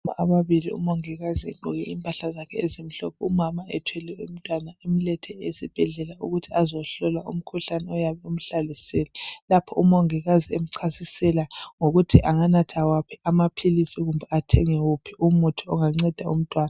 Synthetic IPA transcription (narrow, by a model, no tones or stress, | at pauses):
a̰ʔaβaβiliṵmoŋiɣaziḛǃɔɣɛʔiːmpʼaɬazakʰɛezemiɬɔpʰɔumamaɛ̰tʰwɛlɛum̩tʼwanaemilɛtʰɛesib̥ʱɛɮɛlauɣutʰiazɔɬɔlaṵm̩kʰuɬanɛɔjaβɛum̩ɬalisɛlɛlapʰɔʔumoŋiɣaziem̩ǀʰasisɛlaŋoɣutʰiʔaŋanatʰawapʰiamapʰilisiɣumbʱɛatʰɛŋɛwupʰiʔumutʰiɔŋaŋ͡ǀɛd̥ʱaum̩tʼwaːna